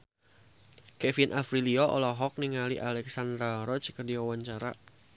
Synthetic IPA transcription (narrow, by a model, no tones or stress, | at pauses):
kɛfinʔafɾiliɔʔɔ̰laɦɔk̚niŋaliʔalɛksand̪ɾaɾɔt͡ʃi̥kərdiawaɲt͡ʃaɾa̰